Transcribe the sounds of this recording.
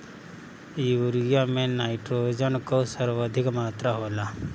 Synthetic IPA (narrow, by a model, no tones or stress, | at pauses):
juːɾɡjãmẽnaːɪʈɾoːd͡ʒənkosəɾʋəd̪ʱɪkmaːt̪ɾaɦoːla